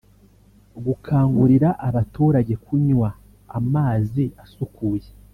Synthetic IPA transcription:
ɡukʰaːŋɡuɾiɾaʔaβatuːɾaɟe̞kʰuɲwa | a̰maːziasukuːje

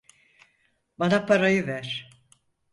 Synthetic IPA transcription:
banapʰaɾajɯvæɾ̥

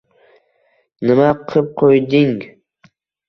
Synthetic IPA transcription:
nɪmaqʰɨp̚qʰojd̪ɪŋ

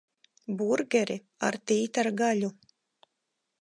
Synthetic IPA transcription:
buɾɡʲɛɾi | a̰ɾt̪iːt̪aɾɡaʎu

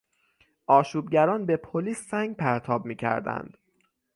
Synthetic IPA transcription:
ʔɒːʃuːbɟæɾɒːnbe̞pʰoliːsːæŋɡpʰæɾt̪ʰɒːbmiːcʰæ̰ɾd̪æ̰nd̪̥

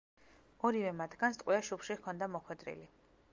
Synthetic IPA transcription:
ɔɾivɛmat̪ʰɡanst̪ʼqʼwiaʃupʃikʰɔnd̪amɔχwɛd̪ɾḭli

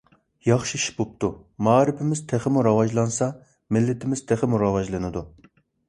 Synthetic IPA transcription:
jɑχʃiiʃbop̚t̪ʰumɑːɾɪpʰɪmɪz̥t̪ʰæχɪmuɾɑwɑd͡ʒlˠɑnsɑ | mɪlːɪt̪ʰɪmɪz̥t̪ʰæχɪmuɾɑwɑʒlˠɨnɨd̪u

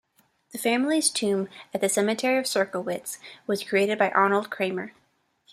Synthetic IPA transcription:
ðɨfæ̃ml̩iz̥tʰʉ̃mɨt̪̚ðɨsɛmɨtʰɛɹiʌv̥sɜ˞kl̩ˠwɪtswʌz̥kʰɹ̥ieɪɾɨd̚baɪʔɑnl̩ˠd̚kʰɹ̥ẽɪ̃mə˞

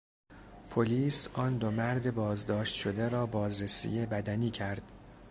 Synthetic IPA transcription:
pʰoliːsʔɒːnd̪omæɾd̪e̞bɒːzd̪ɒːʃt̪ʃo̞d̪eɾɒːbɒːzɾesḭːjebæd̪æniːcʰæɾd̪̥

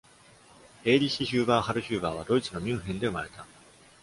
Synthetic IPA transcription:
e̞ːɾʲiɕiɕɨːbaːhaɾɯ̟ɕɨːbaːβ̞ad̪o̞it͡sɨno̞mʲɨ̃ɰ̃ɦẽnd̪e̞ɯmaɾe̞t̪a

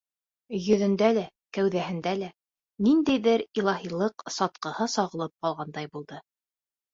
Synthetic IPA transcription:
jɵ̆ðɘ̆nd̪ælæ | kæwðæɦɘ̆nd̪ælæ | nind̪æjðɘɾilˠɑɦilˠɤqsɒt̪̚qɤ̆hɤsɑʁɤ̆lˠɤp̚qɑlˠʁɑnd̪ɑjbulˠd̪ɤ

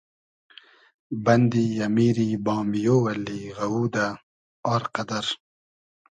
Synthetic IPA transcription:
bɐnd̪iːjɐmiːɾiːbɑːmijoːwɐlːiːɣɐwuːd̪a | aːɾqɐd̪ɐɾ

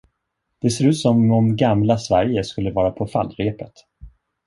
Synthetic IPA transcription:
d̪̥ɛseːɾʉ̟ːt̪sɔmɔmɡamlasvæɾjəskɵlːəvɑːɾapʰɔfa̰lːɾeːpət̪

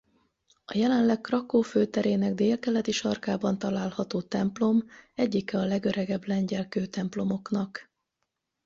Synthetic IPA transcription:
ɒjɛlɛnlɛkkrɒkoːføːt̪ɛɾeːnɛɡd̪eːlkɛlɛt̪iʃɒrkaːbɒnt̪ɒlaːlhɒt̪oːt̪ɛmplo̞mɛɟːikɛɒlɛɡøɾɛɡɛblɛɲɟɛlkøːt̪ɛmplo̞mo̞knɒk

